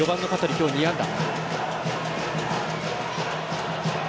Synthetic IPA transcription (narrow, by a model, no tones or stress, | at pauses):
obãnːo̞kat̪aɾikʲo̞ːɲijãnd̪a̰